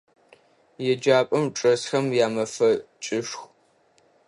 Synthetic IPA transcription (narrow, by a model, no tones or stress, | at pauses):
jɛd͡ʒaːpʼɐmʈ͡ʂʼɐsxɐmjaːmɐfɐt͡ʃʼɪʂx